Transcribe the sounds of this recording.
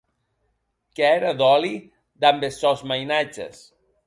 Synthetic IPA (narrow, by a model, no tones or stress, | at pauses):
kɛɾaðɔli | d̪ambesɔzmajnad͡ʒḛs